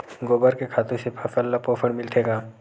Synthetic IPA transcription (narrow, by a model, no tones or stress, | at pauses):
ɡoːbəɾkekʰaːt̪ũsepʰɐtəlːapoːpʰəɽmɪlt̪ʰeːɡaː